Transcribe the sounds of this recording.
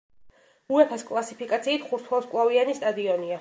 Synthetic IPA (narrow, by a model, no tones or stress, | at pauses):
uɛpʰaskʼlˠasipikʼat̪sʰiːt̪ʰχuɾt̪ʰwɔlˠskʼlˠavianist̪ʼad̪iɔnia